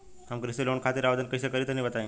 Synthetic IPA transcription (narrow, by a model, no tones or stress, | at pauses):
hamkɾiseloɳkʰat̪iɾaʋd̪ənkəjsekəɾit̪ənibət̪aĩ